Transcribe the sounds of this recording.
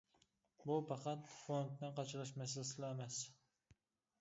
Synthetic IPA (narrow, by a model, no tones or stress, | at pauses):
bupɑqɑt̪font̪nɨqɑt͡ʃʰlɨʃmɛs̬ɪlsɨlɑemɛs